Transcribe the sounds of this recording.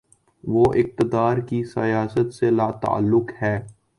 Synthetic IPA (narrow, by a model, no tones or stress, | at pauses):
ʋoːʔɪq̚t̪əd̪aːɾkisɐ̰jaːsət̪selaːt̪a̰a̰lːʊkhɛː